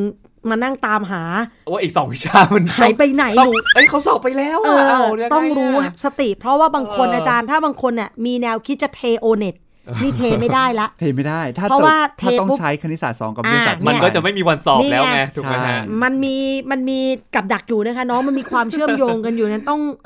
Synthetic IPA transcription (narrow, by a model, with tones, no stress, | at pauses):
ma˧na˥˩ŋt̪aː˧mɦaː˩˦˧ʔiː˨˩k̚sɔː˩˦ŋwi˦˥t͡ɕʰaː˧ma˧nkʰaː˩˦jpa˧jna˨˩˦jə˦˥jkʰa˦˥wsɔː˨˩pːa˧jlɛː˦˥wʔɤː˧t̪ɔ˥˧˩ŋɾuː˦˥sa˧t̪i˨˩ʔpʰɾɔ˦˥waː˥˩baː˧ŋkʰo˧nʔaː˧tt͡ɕaː˧nt̪ʰaː˥˩baː˧ŋkʰo˧nːɛ˧˩miː˧nɛː˧wkʰi˦˥t̪̚t͡ɕa˨˩t̪ʰeː˧ʔoː˧ne˨˩t̪̚ | miː˧t̪ʰeː˧ma˥˩daː˥˩jla˦˥ʔt̪ʰeː˧ma˥˩jdaː˥˩jp̪ʰaː˥˩ɾɔ˦˥waː˥˩t̪ʰːtɔ˥˩˥t͡ɕʰa˦˥jkʰa˧ni˦˥saː˨˩t̪̚sɔː˩˦ŋka˨˩ʔa˧˦˧a˨˩nma˧˦˥kɔː˥˩t͡ɕa˨˩ma˥˩jmiː˧wa˧nsɔː˨˩˦lɛː˦wnɛ˦˥t̪ʰuː˨a˧˩a˦˥ma˧nmiː˧ma˧nmiː˧ka˨˩p̚da˨˩k̚juː˨˩na˦˥kʰa˦˥nɔː˦˥ma˧nmiː˧kʰwaː˧mt͡ɕʰɯ˥˩əmjoː˧ŋka˧njuː˨˩na˧˩t̪ɔ˥˩ŋ